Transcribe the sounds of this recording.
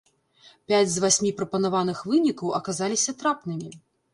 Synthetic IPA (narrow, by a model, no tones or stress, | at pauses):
pʲad͡zʲzvasʲmʲipɾɐpɐnavan̪ɨxvɨnʲikɐwʔɐkazalʲisʲɐt̪ɾapnɨmʲi